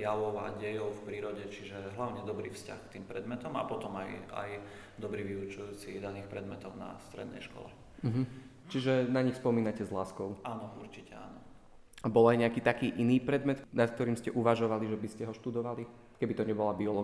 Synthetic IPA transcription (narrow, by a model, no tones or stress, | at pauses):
jaʋɔʊa̰ɟɛjɔʊfpɾiːɾɔɟɛt͡ʃiʒɛɦlaʊɲɛd̪ɔbɾḭːfsca̰xkt̪iːmpɾɛd̪mɛt̪ɔma̰pɔt̪ɔmaja̰j | d̪ɔbɾiːʋiut͡ʃujuːt͡sid̪aniːxpɾɛd̪mɛt̪ɔʊna̰st̪ɾɛ̰d̪nɛ̰jʃkɔ̰lɛ̰ | m̩ɦm̩ | t͡ʃiʒɛnaɲixspɔmiːnacɛzlaːskɔʊaːnɔuɾt͡ʃicɛa̰nɔ | abɔlajɲɛakiːt̪akiːʔiniːpɾɛd̪mɛt̪nat̪kt̪ɔɾiːmscɛʔuʋaʒɔʋaliʒɛbiscɛɦɔʃt̪ud̪ɔʋali | kɛbit̪ɔɲɛbɔlabiɔlɔ